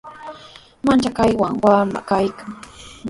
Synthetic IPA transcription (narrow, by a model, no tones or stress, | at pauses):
mant͡ʃakajwaŋwama̰kajkaŋ